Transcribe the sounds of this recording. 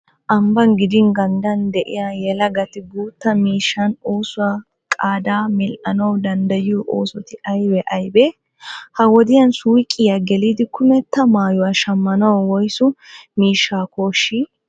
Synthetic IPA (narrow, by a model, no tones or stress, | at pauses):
ʔɐmbɐnɡɪd̪ɪnɡɐnd̪ɐnd̪ɛʔɪ̰jajɛlɐɡɐt̪ɪɡuːt̪ːɐmiːʃːɐnoːsʊwa | kʼaːd̪aːmɪlʔɐnɐwd̪ɐnd̪ɐjuʔoːsɔt̪ɪʔɐjbɛʔɐjbɛ | hɐwɔd̪ɪjɐnsuːkʼːɪjaɡɛliːd̪ɪkʊmɛt̪ːɐmaːjʊwɐʃɐmːɐnɐwwɔjsʊmiːʃːaːkoːʃːi